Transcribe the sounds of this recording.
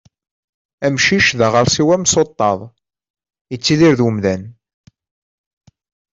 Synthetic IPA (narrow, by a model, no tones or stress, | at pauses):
æmʃiʃðəʁəɾˤsiwæmsot̪ˤːɑðˤ | jət͡sːiðiɾðəmðæn